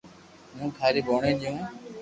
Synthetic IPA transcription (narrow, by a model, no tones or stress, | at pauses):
mũːkʰaːɾiːɓoːɳẽːɗɪjũː